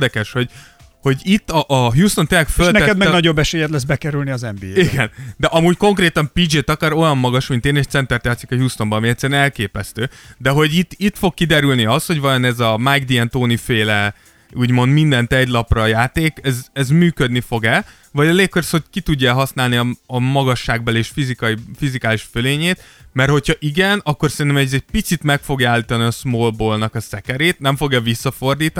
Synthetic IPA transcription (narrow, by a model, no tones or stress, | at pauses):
d̪ɛkɛʃho̞ɟ | ho̞ɟit̪ːɒʔːɦjuːst̪o̞nt̪eːnlɛkfølnɛɛkɛd̪mɛɡnɒɟo̞bːɛʃeːjɛt̪lɛs̬bɛkɛɾylniɒzɛmbiːeiɡɛnd̪ɛʔɒmuːcko̞ŋkreːt̪ɒmpiːd͡ʒeːt̪ɒkaɾo̞jɒmːɒɡɒʃmint̪eːneʃt̪sɛnt̪ɛrt̪jaːt̪sikɒɦjuːst̪o̞mbɒɒmiɛt̪ʲsːɛɾɛnɛlkeːpɛst̪øːd̪ɛɦo̞ɟit̪ːit̪fo̞kkːid̪ɛɾylniɒst̪ho̞ɟvɒjonɛzɒmajɡd̪iɛnt̪oːnifeːlɛ | uːɟmo̞nd̪mind̪ɛnt̪ɛɟlɒprɒjaːt̪eːkɛzɛzmyːkød̪nifo̞ɡɛl | vɒɟɒleːkːøɾsho̞c̚kit̪uɟːɔɛlɦɒsnaːlniɒɒmɒɡɒʃːaːɡbɛleːʃfizikɒifizikaːliʃføleːɲeːt̪ | mɛrho̞chɒʔiɡɛnɒkːorsɛɾint̪̬ɛmɛzɛɟ̚pit̪sit̪mɛkfo̞ɡjaːlːiːt̪ɒniɒsmoːlboːlnɒkɒsɛkɛɾeːt̪nɛɱfo̞ɡɛvisːɒfo̞rd̪iːt̪